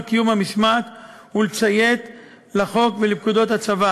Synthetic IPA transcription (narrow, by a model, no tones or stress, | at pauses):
kijumhamiʃmat̪hulet͡sajet̪ | laχo̞kvelibkud̪o̞t̪hat͡sava